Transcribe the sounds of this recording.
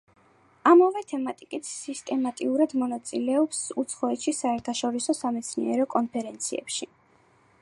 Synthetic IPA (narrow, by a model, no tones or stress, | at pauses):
amavɛt̪ʰɛmat̪ʼikʼit̪ʰsist̪ʼɛmat̪ʼiuɾad̪mɔnat̪sʼilɛɔpsut̪sʰχɔɛt̪ʃisaɛɾt̪ʰaʃɔɾisɔsamɛt̪sʰniɛɾɔkʼɔnpʰɛɾɛnt̪sʰiɛ̰pʃi